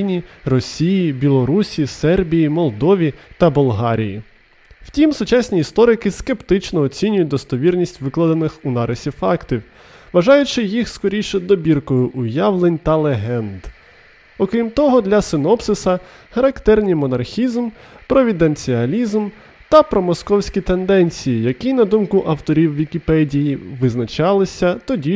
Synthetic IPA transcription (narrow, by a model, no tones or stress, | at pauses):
nʲirɔsʲijibʲilˠɔɾusʲisɛrbʲijimɔlˠd̪ɔʋʲit̪ɐbɔlˠɦɑɾʲḭjḭ | w̥tʲimsʊt͡ʃɑsʲnʲiːst̪ɔɾɪkɪske̞pt̪ɪt͡ʃnɔːt͡sʲinʲʊjʊt̚ʲd̪ɔst̪ɔʋʲirnʲisʲtʲʋɪklˠɐd̪ɐnɪxʊnɑɾesʲifɑkt̪ʲiw | ʋɐʒɑjʊt͡ʃɪjixskɔɾʲijʃɛd̪ɔbʲirkɔjʊʔʊjaʋlˠenʲt̪ɐlˠeɦɛnd̪ | ɔkɾʲimt̪ɔɦɔd̪lʲɐsɪnɔpsɪsɐ | xɐɾɐkt̪ɛrnʲimɔnɐrxʲizm | pɾɔʋʲid̪ent͡sʲiɐlʲizm | t̪ɐpɾɔmɔskɔwsʲkʲit̪end̪ɛnʲt͡sʲijijɐkʲinɐd̪umkʊʔɐwt̪ɔɾʲiwʋʲikʲipɛdʲijiʋɪznɐt͡ʃɑlˠɪsʲɐt̪ɔdʲi